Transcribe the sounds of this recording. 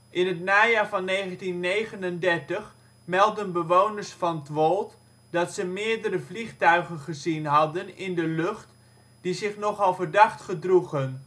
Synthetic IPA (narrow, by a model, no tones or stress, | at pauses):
ʔɪnɦətnaːjaːɹvɑnːejχəntinːejχənəndɛɹtəχ | mɛlˠdənbəʋownəɹsfɑnətʋolˠt | dɑtsəmɪːɹdəɾəvliχtœɥχənχəzinɦɑdənɪndəlɵχt | d̥izɪχnɔχɑlˠvəɹdɑχtχədruχən